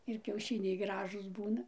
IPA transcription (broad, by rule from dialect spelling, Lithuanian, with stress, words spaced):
ɪr kʲɛʊˈʃʲɪnʲɛɪ ˈɡrɑːʒuːs ˈbuːnɐ